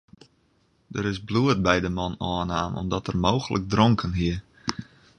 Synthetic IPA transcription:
dəɾɪsbluət̚bɛjdəmɔnɔːnaːnɔ̰mdɔtərmoːxəlʔəɡ̚drɔŋkʰənɦiə

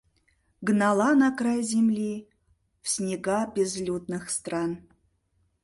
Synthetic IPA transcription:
ɡənɑlˠɑnɑkrajzʲemlʲi | fsʲnʲeɡabʲezlʲut̪nɨxst̪rɑn

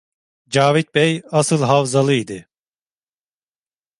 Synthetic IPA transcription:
d͡ʒaːvit̪̚bejasɯlˠɦavzalˠɯid̪ɪ

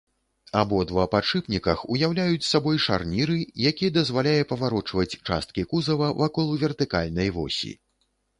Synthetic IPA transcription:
abɔd̪vɐpat͡ʂɨpnʲikɐxujawlʲajut͡sʲsabɔjʂa̰rnʲiɾɨjakʲijɛd̪ɐzvalʲajɛpɐvaɾɔt͡ʂvɐt͡sʲt͡ʂa̰st̪̚kʲikuzɐvɐvakɔlˠuvʲɛrt̪ɨka̰lʲnɐjvɔ̰sʲḭ

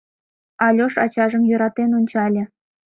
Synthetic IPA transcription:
ɑlʲoʂɑt͡ɕɑʐɤ̆mjuɾɑt̪enunʲt͡ɕɑlʲɘ̆

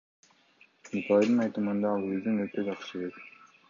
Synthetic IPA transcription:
up̪ɑd̪ɯnɑjt̪ɯmɯnd̪ɑlˠøzynøɾt̪ød͡ʒɑχʃɯek

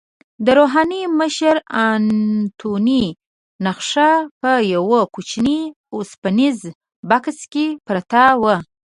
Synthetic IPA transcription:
d̪əɾoɦɑniməʃəɾant̪ʰoni | naxʂapəjawəkut͡ʃni | ospaniz | bakskepɾat̪awə

